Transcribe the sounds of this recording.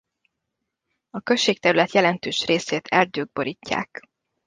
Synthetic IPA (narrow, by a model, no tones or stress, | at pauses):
ɒkøʃːeːk̚t̪ɛɾylɛt̪jɛlɛnt̪øːʃreːseːt̪ʰɛrd̪øːɡ̚bo̞ɾicːa̰ːk